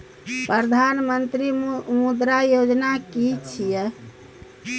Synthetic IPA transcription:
pɾəd̪ʱanmənt̪ɾimud̪ɾajod͡ʒnakit͡ʃʰijɛ

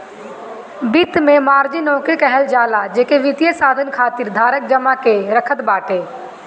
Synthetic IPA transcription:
bit̪mẽmaːɾd͡ʒinɔːkɾikɛɦəld͡ʒaːlad͡ʒeːkeʋɪt̪ijəsaːd̪ʱənkʰaːt̪iɾd̪ʱaːɾək̚d͡ʒɐmakeɾɐkʰət̪baːʈʰeː

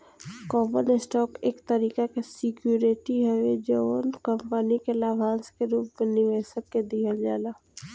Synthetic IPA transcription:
kɔːbənɪsʈɔːkeːkt̪əɾiːkakesɪkjuːɾeʈiɦɛed͡ʒoːnkəmpənikelaːʋʱãːnskeɾuːpmenɪʋeːsət̪ked̪iːəld͡ʒaːlaː

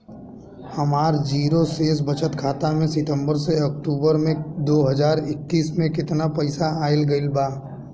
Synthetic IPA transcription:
hɐmaːɾd͡ʒiːɾoseːs̬bɐt͡ʃət̪kʰaːt̪amẽsɪʈ̪ə̃mbəɾseɐk̚ʈuːbəɾmẽd̪oːɦɐd͡ʒaːɾɪkːiːsmẽkɪt̪napɐɪsaaːɪlɡɐɪlbaː

